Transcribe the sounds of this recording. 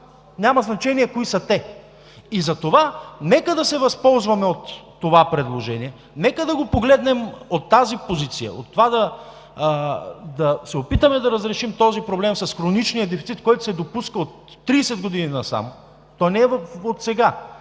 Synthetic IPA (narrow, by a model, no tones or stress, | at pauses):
nʲamɐznɐt͡ʃɛniɛkoisɐt̪ɛ | izɐt̪ovanɛkəd̪ɐsɛvɐspɔlˠzvɐmɛot̪ː | ovapɾɛd̪lˠoʒɛniɛ | nɛkəd̪ɐɡopoɡlɛd̪nɛmot̪ːazipozit̪sijə̰o̰t̪ːovad̪ɐ | d̪ɐsɛopit̪əmɛd̪ɐɾəzɾɛʃimt̪ɔzipɾoblɛmsɐsxɾonit͡ʃnijəd̪ɛfit̪sit̪kɔjt̪ʊ̥sɛd̪opuskəot̪ːɾiːsɛd̪ɡod̪ininɐsa̰mo | t̪ɔjnɛɛvfot̪sɛɡa